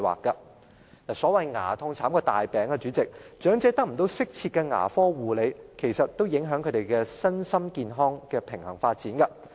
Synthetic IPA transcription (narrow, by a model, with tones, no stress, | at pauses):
wa̰ː˨kːɐ˧ | naː˨˩sɔː˨˥wɐ˨jŋa̰ː˨˩t̪ʰʊ˧ŋt͡sʰaː˨˥mkɔː˧t̪a̰ː˨˩jpɛː˨˥ŋkɛ˧t͡ʃyː˨˥t͡sɪ˨k̚t͡ʃœː˨˥ŋt͡sɛː˨˥t̪ɐ˥k̚m̩˨˩t̪̬o˧wsɪ˥k̚t͡sʰi˧t̚kɛ˧ŋa̰ː˨˩fɔː˥wuː˨˩le˨˧jkʰe˨˩jsɐ˨t̚t̪o˥wjɪ˨˥ŋɦœː˨˥ŋkʰɵ˨˧˥t̪e˨jkɛː˧sɐ˥nsɐ˥mkiː˨˧nɦɔː˥ŋkɛː˧pʰɪ˨˩ŋhɐ˨˩ŋfaː˧t̚t͡siː˨˥nkɐ˧